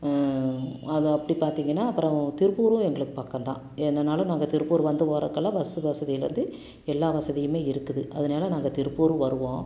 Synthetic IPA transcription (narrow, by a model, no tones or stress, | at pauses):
ɐðɯɐpːɐɽipaːɾt̪iːŋɡɐnːaːɐpːɯɾõt̪ɪɾɯpuːɾuʊ̃ɛŋɡɐɭɯkːɯ̥paːɾkɐ̃nt̪ã̰ː | ɛnd̪ɐnaːlɐ̃naːŋɡɐt̪ɪɾɯpːuːɾʋɐnd̪ɯʋoːɾɐ̰kːɐlːɐʋɐsɯʋɐsɐðɪjɪlɾɐ̰nd̪ɯ | ɛlːaːʋɐsɐðɪjɯmeːɪɾɯkːɯðɯʔɐðɐnaːlɐnaːŋɡɐt̪ɪɾɯpːuːɾɯ̃ʋɐɾɯʋõː